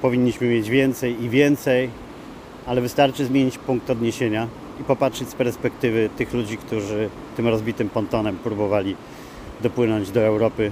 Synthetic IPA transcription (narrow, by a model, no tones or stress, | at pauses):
pɔvʲiɲːiɕmɘmjed͡ʑvʲjɛnt̪sɛjivʲjɛnt̪sɛj | alɛvɘst̪aɾt͡ʂɘzmʲjeɲit͡ɕpuŋk̚t̪ɔd̪ɲeɕeɲa | ipɔpatʂɛt͡ɕʲspɛɾspɛkt̪ɘvɘt̪ɘxlud͡ʑikt̪uʐɘ | t̪ɘmɾɔzbʲit̪ɘmpɔnt̪ɔnɛmpɾubɔvalʲi | d̪ɔpwɘnɔɲd͡ʑd̪ɔɛwɾɔpɘ